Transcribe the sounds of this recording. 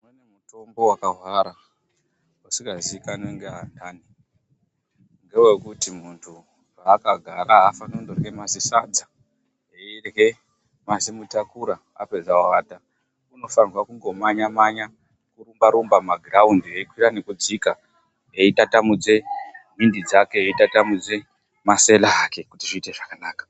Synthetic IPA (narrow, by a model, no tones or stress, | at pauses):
mwenemuto̞mbo̞wakaɦwaɾa | usiɡaziikaneŋɡeandaːni | ŋɡe̞we̞kutimuntʰu | raːkaɡʱaɾaɦafanondorɡe̞masisad͡za | eirɡe̞ | mazimutakuɾa | a̰pezawaːta | uno̞fanrwakuŋɡo̞maɲamaɲa | kurumbaɾumbamaɡʱraundieikwiɾane̞kud͡zika | eitatamud͡ze̞mindid͡zake̞eitatamud͡ze̞ | mase̞laːke̞kutiʐiːte̞ʐakanaːkḁ